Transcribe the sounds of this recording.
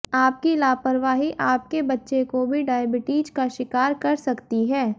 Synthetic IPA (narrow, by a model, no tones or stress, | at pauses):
aːp̚kilaːpəɾʋaːɦiʔaːp̚kebɐtːʃekobʱiɖaːjəbɪʈiːd͡ʒkaʃɪkaːɾkɐɾsɐkt̪iɦɛː